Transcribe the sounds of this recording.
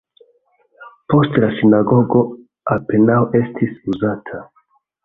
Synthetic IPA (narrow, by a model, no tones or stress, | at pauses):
po̞stlasinaɡo̞ɡo̞ | ape̞nawe̞stʰisuzatʰa